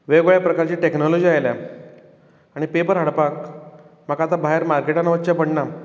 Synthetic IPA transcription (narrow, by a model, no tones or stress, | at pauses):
ʋeɡʋɭepɾəkaɾt͡ɕiːʈeknɔlɔd͡ʑiajlja | aɽ̃ipepəɾɦəɽpakməɡat̪abaɦeɾmaɾkeʈanʋət̪ːt͡ɕapəɳɳa